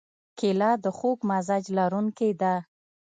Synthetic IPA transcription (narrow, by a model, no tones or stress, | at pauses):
kelɑd̪əxoɡmazad͡ʒlaɾuŋkijd̪a